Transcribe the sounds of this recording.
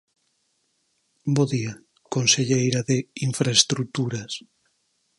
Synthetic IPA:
boðia | konseʎejɾaðeiɱfɾaest̪ɾut̪uɾas

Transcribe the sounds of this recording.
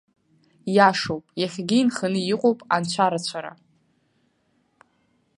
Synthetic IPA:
jaʂowpʼjaχʲɡʲiːnχənɨjiqʷʼowpʼant͡ɕʷʰaɾat͡ɕʷʰaɾa̰

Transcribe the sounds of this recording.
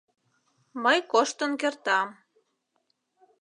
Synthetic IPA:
məjkoʃt̪ənkert̪ɑm

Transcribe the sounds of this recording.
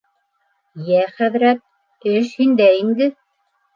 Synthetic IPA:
jæχæðɾæt̪̚ | ɘʃhind̪æind̪ɘ

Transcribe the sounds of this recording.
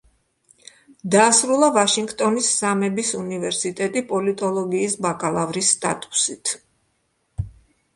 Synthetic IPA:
d̪aːsɾulˠavaʃiŋɡt̪ʼɔnisːamɛbisunivɛɾsit̪ʼɛt̪ʼipʼɔlit̪ʼɔlˠɔɡiːsbakʼalˠavɾisːt̪ʼa̰t̪ʼu̥sit̪ʰ

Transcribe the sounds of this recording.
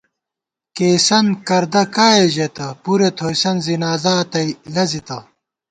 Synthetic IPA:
keːsɐnkɐɾd̪ɐkaːjeʑet̪ɐpuɾet̪ʰoːjsɐnzinaːzaːt̪ɐilɐzit̪ɐ

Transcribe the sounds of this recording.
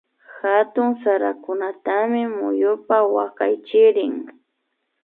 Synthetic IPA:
xat̪ʊŋsaɾakʊnat̪amɪmʊ̰jʊpawaka̰jt͡ʃɪɾɪŋ

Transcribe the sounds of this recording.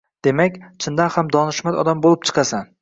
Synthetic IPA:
d̪̥e̞makʲt͡ʃʰɪnd̪anhamd̪ɒnɪʃmat̪ɒd̪ambolˠɪp̚t͡ʃʰɨ̥qʰɑsan

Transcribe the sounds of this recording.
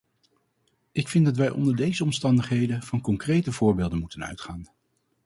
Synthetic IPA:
ɪkfɪndɑtʋɛjʔɔ̰ndəɹdejzəɔmstɑndəχɦejdənv̥ɑnkɔŋkrejtəvʊːɹbeːlˠdənmutənœ̰ɥtχaːn

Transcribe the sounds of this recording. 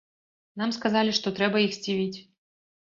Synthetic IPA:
namskazalʲiʂt̪ɔt̪ɾɛbɐjixsʲt͡sʲivʲit͡sʲ

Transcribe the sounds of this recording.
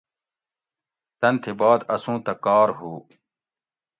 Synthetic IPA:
t̪ɐnt̪ʰebaːd̪ɐsũːt̪ɐkaːɾɦuː

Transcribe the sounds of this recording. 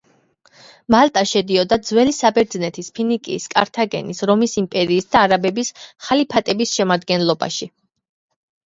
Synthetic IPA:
malˠt̪ʼaʃɛd̪iɔd̪ad̪zwɛlisabɛɾd̪znɛt̪ʰispʰinikʼḭːskʼa̰ɾt̪ʰaɡɛ̰nisɾɔmisimpʼɛɾiːsd̪aːɾabɛbisχalipʰat̪ʼɛbisʃɛmad̪ɡɛnlˠɔba̰ʃi

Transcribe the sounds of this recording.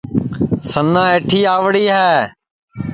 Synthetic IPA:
sənːãːeːʈʰiːaːʋɽiːɦɛː

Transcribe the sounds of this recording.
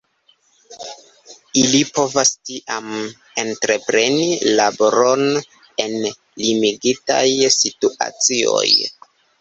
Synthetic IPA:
ilipo̞vastiʔam | e̞ntɾe̞pɾe̞nilaboɾo̞n | e̞n | limiɡita̰jsituʔa̰t͡sio̞̰j

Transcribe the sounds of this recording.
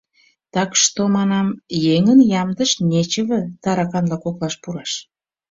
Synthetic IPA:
t̪ɑkʃt̪omɑnɑmjeŋənjɑmd̪əʃnʲet͡ɕəβə̆t̪ɑɾɑkɑnlɑkoklɑʃpuɾɑʃ

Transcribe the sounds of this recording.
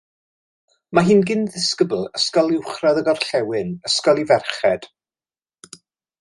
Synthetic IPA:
maɦiːnɡɪnðɪskəblˠəskɔlˠɪwχraðəɡɔrɬɛwɪnəskɔlˠivɛrχɛd̥

